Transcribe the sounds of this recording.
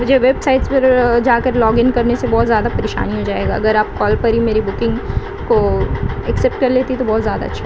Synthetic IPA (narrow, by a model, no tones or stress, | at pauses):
ʊd͡ʒeʋeːbsaːɪʈspɐɾd͡ʒaːkɐɾlɔːɡɪnkɐɾnesebɔːt̪zjaːd̪apɐɾeːʃa̰ːniɦod͡ʒaːeːɡaɐɡəɾaːp̚kɔːlpɐɾɦimeːɾibʊkɪ̃ŋɡ | koɛksɛp̚ʈ̚kɐɾleːt̪it̪obɔːt̪zjaːd̪a̰ɐtːʃʰa